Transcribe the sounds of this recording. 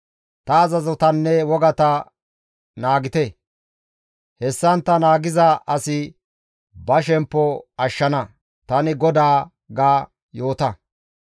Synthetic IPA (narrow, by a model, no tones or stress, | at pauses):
t̪ɐːzɐzɔt̪ɐnːɛwɔɡɐt̪ɐ | naːɡɪt̪ɛ | hɛsːɐnt̪ːɐnaːɡɪzɐʔɐsɪ | bɐʃɛmpːɔɐʃːɐnɐ | t̪ɐnɪɡɔd̪aː | ɡaː | jo̞ːt̪ɐ